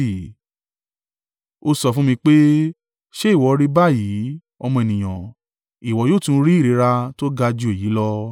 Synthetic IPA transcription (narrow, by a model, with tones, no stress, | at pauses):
o˧sɔ˧fũ˦mĩ˧k͡pe˦ | ʃe˦i˦˨wɔ˨˧ɾi˦ba˦˨ji˨˦ | ɔ˧mɔ̃˧e˨nĩ˨j̃ã˨ | i˨wɔ˨jo˦˨tĩ˧˦ɾi˦i˦˨ɾi˨˧˦ɾa˧to˦ɡa˧d͡ʒu˧e˨ji˨˦lɔ˧